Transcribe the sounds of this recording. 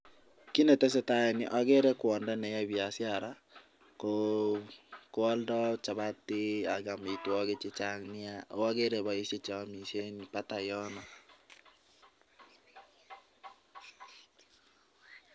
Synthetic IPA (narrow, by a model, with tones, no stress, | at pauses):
ki˦nɛ˨tɛ˦s̬e˦ta˦ɛ˨nɪ˨ʔa˦ɣe˦ɾɛ˦kwɔ˨ndɛ˦nɛ˨ja˦βja˨sja˦˨ɾa˦ | ko | kwɔ˦ldɔ˦t͡ʃa˨βa˦tːɪ˦a˨ɡa˨mi˨twɔ˦ɣe˦t͡ʃɪ˦t͡ʃa˦ŋnɪ˦a˦o˦a˦ɣe˦ɾe˨βa˨i˦se˦t͡ʃa˨˦mi˨ʃe˦npa˦ta˨jɔ˦nɔ˨